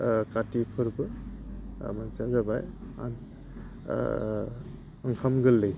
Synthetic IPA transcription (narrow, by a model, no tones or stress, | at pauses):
katipʰɯɾbɯ | mansazabaja̰n | əŋkʰamɡɯlːɯj